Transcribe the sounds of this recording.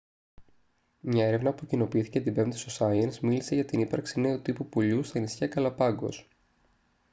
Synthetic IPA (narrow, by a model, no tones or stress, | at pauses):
mɲɐe̞ɾe̞vnɐpucino̞piiθi̥ce̞t̪ibemt̪i̥sosɐiɐnsmilise̞ʝɐt̪inipɐɾksine̞ot̪ipupuʎust̪ɐenisçɐkɐlɐpɐŋɡo̞̰s